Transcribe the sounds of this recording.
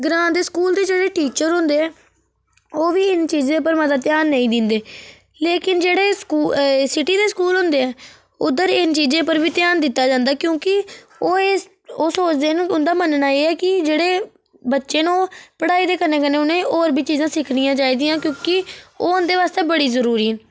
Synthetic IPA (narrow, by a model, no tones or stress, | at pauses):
ɡɾãːd̪eːskuːld̪eːd͡ʒeːɽeːʈiːt͡ʃəɾɦʊ̃ːnd̪eːɛː | oːʋiːɪnt͡ʃiːzẽːpəɾmət̪̬aːt̪ɪjaːnːəĩːd̪ɪnd̪eː | leːkɪnd͡ʒeːɽeːskuːsɪʈiːd̪eːskuːlɦʊ̃nd̪eːɛː | ʊd̪əɾɪnt͡ʃiːzẽːpəɾʋiːt̪ɪjaːnd̪ɪt̪ːaːd͡ʒãːnd̪aːkjõːkɪ | oːe | oːsoːt͡ʃd̪eːnũːʊnd̪aːmənnaːeːɛːkɪd͡ʒeːɽeː | bətːʃeːnũõːpəɽaːiːd̪eːkəɾnẽːkəneːʊnẽːʔoːɾbʱiːt͡ʃiːzãːsɪkʰɽijãːt͡ʃaːiːd̪ijãːkjõːkɪoːʊnd̪eːʋaːst̪eːbəɽiːzəɾuːɾiːɦɛn